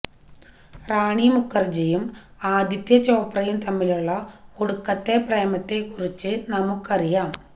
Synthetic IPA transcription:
raːɳimukʰːɐrd͡ʑɐjumaːd̪it̪jɐt͡ɕo̞ːprɐjumt̪ɐmːiluɭːɐoɽukːɐt̪ːe̞preːmɐt̪ːe̞kːurit͡ɕːɨnɐmukːɐrijaːm

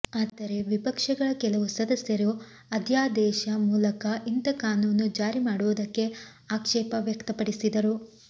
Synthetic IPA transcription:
aːt̪ɐɾe̞ʋipɐkʂɐɡɐɭɐkɛlɐʋusɐd̪ɐsjɐɾu | ɐd̪ʱjaːd̪ɛːʃɐmuːlɐkɐʔint̪ɐkaːnuːnːud͡ʒaːɾimaːɽuʋɐd̪ɐkːe̞ | aːkʂɛːpɐʋjɐkt̪ɐpɐɽisid̪ɐɾu

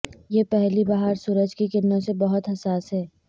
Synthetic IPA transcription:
jepɛɦlibaɦaɾsuːɾəd͡ʒkikɪnːasebɐɦʊt̪ɦɐsaːsɦɛː

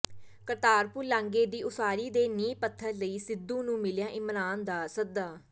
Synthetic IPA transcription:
kəɾt̪aːɾpuːlãːŋɡeːd̪iːʊsaːɾiːd̪eːniːpət̪ʰːəɾləiːsɪd̪ːũːnũːmɪljãːʔɪmɾaːnd̪aːsəd̪aː

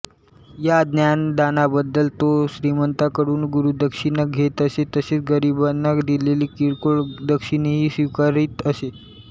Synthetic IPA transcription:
jad̪njand̪anabəd̪ːəlt̪oɕɾimənt̪akəɾuːnɡuɾud̪əkʂinaɡʱet̪əset̪əseːt͡sɡəɾibənːakd̪ileliːkiɽkoɭd̪əkʂinɦiːsʋikaɾiːt̪əse

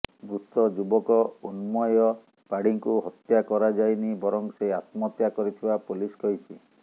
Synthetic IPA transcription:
bɾust̪ɔd͡ʒubɔkɔunmɔjɔ | paɽiŋkuɦɔt̪jakɔɾad͡ʒajnibɔɾɔŋseat̪mɔt̪jakɔɾit̪ʰibapuliskɔɦit͡ʃʰi

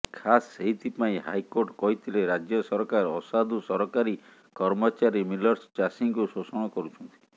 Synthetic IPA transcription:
kʰasːeɦit̪ʰipaĩɦa̰jkoɾʈkɔɦit̪ʰileɾad͡ʒjɔsɔɾɔkaɾɔsad̪usɔɾɔkaɾi | kɔɾmɔt͡ʃaɾimilɔɾst͡ʃasiŋkusosɔɽ̃ɔkɔɾut͡ʃʰɔnt̪ʰi̥

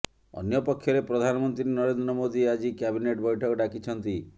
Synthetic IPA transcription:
ɔ̰njɔpɔkʰːjɔɾepɾɔd̪ʱanɔmɔnt̪ɾinɔɾend̪ɾɔmod̪iad͡ʒikabineʈbɔjʈʰɔkɔɖakit͡ʃʰɔnt̪i

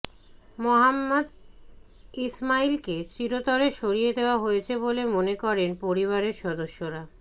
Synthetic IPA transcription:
moɦamːad̪ | ismailket͡ɕiɾot̪ɔɾeʃoɾijed̪eoaɦojet͡ɕʰebolemonekɔɾenpoɾiβaɾeɾʃɔd̪oʃːoɾa

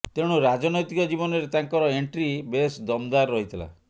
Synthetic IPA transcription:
t̪eɽ̃uɾad͡ʒɔnɔjt̪ikɔd͡ʒibɔnɔɾet̪aŋkɔɾɔeɳʈɾibesd̪ɔmd̪aɾːɔɦit̪ʰila̰

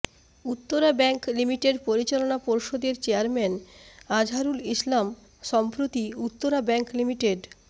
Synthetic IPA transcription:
ut̪ːoɾabɛŋklimiʈeɖpoɾit͡ɕalonapoɾʃod̪eɾt͡ɕeaɾmɛnad͡ʑʱaɾulislam | ʃɔmpɾot̪iut̪ːoɾabɛŋklimiʈeɖ

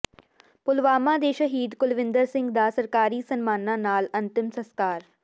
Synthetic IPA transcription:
pʊlʋaːmãːd̪eːʃəɦiːd̪kʊlʋɪ̃nd̪əɾsɪ̃ŋɡd̪aːsəɾkaːɾiːsənmaːnãːnaːlənt̪ɪmsəskaːɾ

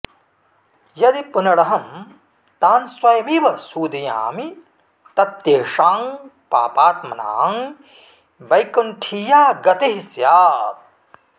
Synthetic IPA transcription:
jɐd̪ipunɐɽɐɦɐm | t̪aːnswɐjɐmiʋɐsuːd̪ija̰ːmi | t̪ɐt̪jeːʂaːŋpa̰ːpaːt̪mɐna̰ːŋ | bɐjkunʈʰijaːɡɐt̪eɦisjaː

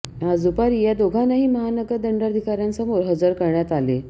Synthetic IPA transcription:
ɦad͡zupaɾijad̪oɡʱanaɦiːməɦanəɡəɾd̪əɳɖəɾəd̪ʱikaɾjant͡səmoɾɦəd͡zəɾkəɾɳjat̪ale

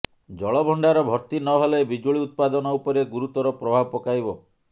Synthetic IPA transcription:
d͡ʒɔɭɔbʱɔɳɖaɾɔbʱɔɾt̪inɔɦɔlebid͡ʒoɭiut̪̚pad̪ɔnɔupɔɾeɡuɾut̪ɔɾɔpɾɔbʱabɔpɔkajbɔ

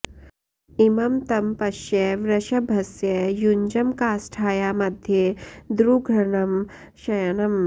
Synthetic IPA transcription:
imɐmt̪ɐmpɐʃjɐʋɾɐʃɐbʱɐsjɐjuɲd͡ʒɐmkaːsʈʰaːjaːmɐd̪ʱjed̪ɾuɡʱɾɐɳɐm | ʃɐjɐnɐm

